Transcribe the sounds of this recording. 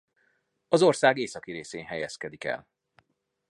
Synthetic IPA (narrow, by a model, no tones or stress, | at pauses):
ɒzo̞rsaːɡeːsɒkiɾeːseːnɦɛjɛskɛd̪ikɛ̰l